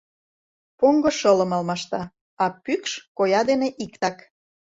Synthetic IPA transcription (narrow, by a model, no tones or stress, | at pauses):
poŋɡoʃɤlɤ̆mɑlmɑʃt̪ɑ | ɑpykʃkojɑd̪eneʔikt̪ɑk